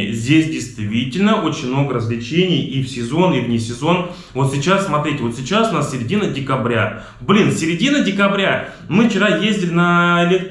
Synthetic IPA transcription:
ɪzʲdʲesʲdʲɪjst̪vʲitʲɪlʲnəo̞t͡ɕɪnʲmno̞ɡəɾəzlʲɪt͡ɕenʲɪjifsʲɪzo̞nivnʲɪsʲɪzo̞n | vo̞t̪sʲɪt͡ɕassmɐt̪ɾʲitʲɪvo̞t̪sʲɪt͡ɕasʊnassʲɪɾʲɪdʲinədʲɪkɐbɾʲa̰ | blʲinfsʲɪɾʲɪdʲinədʲɪkɐbɾʲa | mɨft͡ɕɪɾajezʲdʲɪlʲɪnəlʲet̪

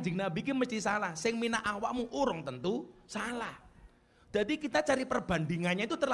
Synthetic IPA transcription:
d͡ʒɪŋnabikiməst̪isalahsɪŋminaʔawaʔmuʔuɾʊŋt̪ənt̪usalah | d̪̥ad̪ikit̪at͡ʃaɾipərb̥a̤nd̪iŋanɲait̪ut̪ər

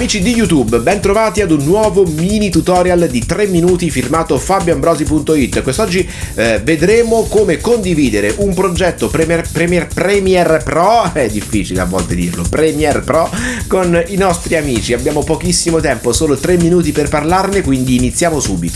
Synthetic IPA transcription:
amiːt͡ʃid̪ijut̪ubbɛnt̪ɾovaːt̪iad̪unːwɔːvomiːnit̪ut̪ɔːɾjald̪it̪ɾemːinuːt̪ifirmaːt̪ofabjoambɾɔːzipunt̪oit̪ːkwest̪ɔd͡ʒːi | ved̪ɾeːmokoːmekond̪iviːd̪eɾeʔumpɾod͡ʒɛt̪ːopɾɛmɛrpɾɛmɛrpɾɛmiɛrpɾɔɛd̪ːifːiːt͡ʃilḛa̰vːɔ̰lt̪ed̪ḭːrlo̰pɾɛmiɛrpɾɔkoninɔst̪ɾiamiːt͡ʃiabːjaːmopokisːimot̪ɛmposoːlot̪ɾemːinuːt̪̬iperparlarnekwind̪iːnit̪sːjaːmosuːbit̪o̥

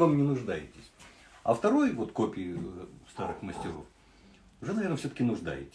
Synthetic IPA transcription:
amnʲɪnʊʐd̪ajɪtʲɪsʲ | ɐ̰ft̪ɐɾo̞jvo̞t̪kopʲɪst̪aɾɨxməsʲtʲɪɾo̞̰f | ʊʐɛnɐve̞rnfsʲot̪əkʲɪnʊʐd̪a̰jɪ̰tʲɪ̥

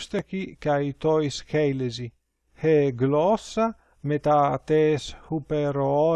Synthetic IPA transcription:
st̪ekikajt̪ɔjskɛjlezi | heɡlɔsa | met̪at̪eshupeɾoɔ

